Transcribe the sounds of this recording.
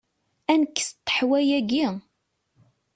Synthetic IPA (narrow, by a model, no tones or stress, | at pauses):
ænəkːə̥st̪ːə̥ħwæjæɡi